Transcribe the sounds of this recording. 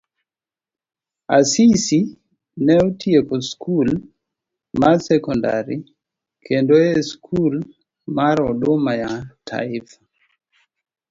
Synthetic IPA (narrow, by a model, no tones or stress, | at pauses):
a̰sisi | nɛɔtiekɔskʰul | masɛkɔnda̰ɾi | kʰendoɛskʰul | maɾɔɗomajatʰa̰ifḁ